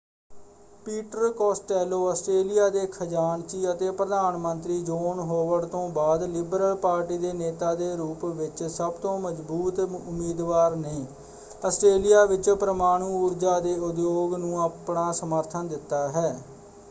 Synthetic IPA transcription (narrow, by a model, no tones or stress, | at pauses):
piːʈəɾkɔːsʈɛːloːəsʈɾeːlɪjaːd̪eːkʰəd͡ʒaːɳt͡ʃiːət̪eːpɾəd̪aːnmənt̪ɾiːd͡ʒoːnɦoːʋəɽt̪õːbaːd̪lɪbɾəlpaːɾʈiːd̪eːneːt̪aːd̪eːɾuːpʋɪt͡ʃsəbt̪õːməd͡ʒbuːt̪ʊmiːd̪ʋaːɾneː | əsʈɾeːlɪjaːʋɪt͡ʃpɾəmaːɽ̃ũːuːɾd͡ʒaːd̪eːʊd̪joːɡnũːəpɳaːsəməɾt̪ʰənd̪ɪt̪ːaːɦɛː